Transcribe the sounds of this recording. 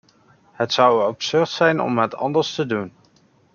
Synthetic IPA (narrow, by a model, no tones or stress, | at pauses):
ɦətsʌwɑpsʏɹtsɛjnɔ̰mɦətɑ̰ndəɹstədun